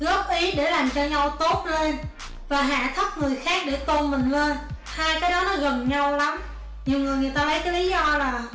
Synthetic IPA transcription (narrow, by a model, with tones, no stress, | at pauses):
ɣɔ˦˥p̚ʔi˨˦ɗe˧˩laː˨˩mt͡ɕɔ˧ɲa˧wt̪o˦˥t̚le˧n | vaː˨˩ɦa̰ː˧˨t̪ʰə˦˥p̚ŋɨ˨˩əjxaː˦˥k̚ɗe˧˩t̪o˧nmï˨˩ŋ̟leː˧n | haː˧jkaː˨˦jɗɔ˨˦nɔ˨˩ɣə˨˩nɲa˧wla˨˦m | ɲi˨˩wŋɨ˨˩əjŋɨ˨˩əjt̪aː˧lə˨˦jkaː˨˦jli˨˦zɔ˧laː˨˩